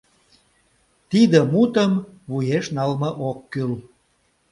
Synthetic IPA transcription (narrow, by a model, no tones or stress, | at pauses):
t̪id̪əmut̪əmβujeʃnɑlməʔokːyl